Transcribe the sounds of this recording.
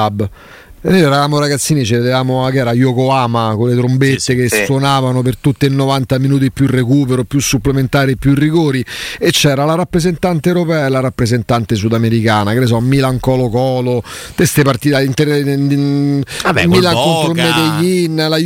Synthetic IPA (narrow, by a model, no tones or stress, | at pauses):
ab | nːojɛɾavaːmoɾaɡat̪sːiːnit͡ʃeved̪evaːmoakɛːɾajokoaːmakolːet̪ɾombet̪ːekesːwonaːvanopert̪ut̪ːeinːovant̪aminuːt̪̬iepːjurekuːpeɾopjusːupːlement̪aːɾiepːjuirːiɡoːɾiet͡ʃːɛːɾalaɾapːɾezent̪ant̪ewɾopɛːaelaɾapːɾezent̪ant̪es̬ud̪ameɾikaːnakɾes̬ɔmːilaŋkɔːlokɔːlo | t̪est̪epart̪it̪aint̪eɾ | abmilaŋkoŋfɾomːed̪eʎːinːla